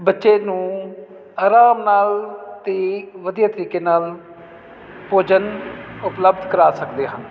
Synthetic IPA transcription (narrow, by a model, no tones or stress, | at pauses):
bətːʃeːnũː | aːɾaːmnaːlt̪eːʋəd̪ijaːt̪əɾiːkeːnaːl | poːd͡ʒənʊpləbd̪ʱkəɾaːsəkd̪eːɦən